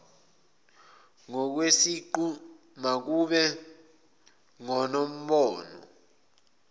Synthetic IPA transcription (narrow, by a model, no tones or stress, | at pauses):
ŋɔk̬wesiǃu | mak̬uɓɛ | ŋɔnom̩ɓɔːnɔ̰